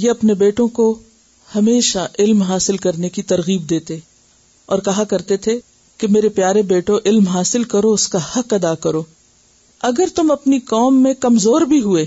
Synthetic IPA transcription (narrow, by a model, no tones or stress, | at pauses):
jeɐpnebeːʈõko | hɐmeːʃaʔɪlmɦaːsɪlkɐɾnekit̪ɐɾɣiːb̚d̪eːt̪e | ɔːɾkɐɦakɐɾt̪et̪ʰe | kemeːɾepjaːɾebeːʈõʔɪlmɦaːsɪlkɐɾoʊskahɐkɐd̪aːkɐɾoː | ɐɡəɾt̪ʊmɐpnikɔːmːẽkɐmzoːɾbʱiɦueː